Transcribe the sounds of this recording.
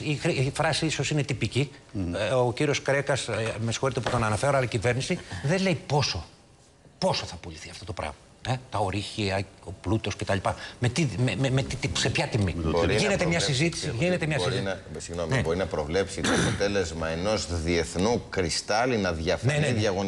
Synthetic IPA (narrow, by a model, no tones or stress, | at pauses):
ixɾifɾɐsiiso̞sine̞t̪ipici | ociɾio̞skɾe̞kɐsmesi̥xo̞ɾit̪eput̪o̞nɐnɐfe̞ɾoɐlɐicive̞ɾnisiðe̞le̞jpo̞so̞ | po̞soθɐpoliθiɐft̪o̞t̪o̞pɾɐ̰ɣmɐ | et̪ɐoɾiçiɐo̞plut̪o̞scet̪ɐlipɐmet̪imememet̪it̪ise̞pçɐt̪imḭɾʝinet̪emɲɐsizit̪i̥siʝinet̪emɲɐssizsiɣnomibo̞ɾinɐpɾo̞vle̞psit̪oɐpot̪e̞lezmɐeno̞zðie̞θnukɾist̪ɐlinɐðʝɐfneneðjɐɣon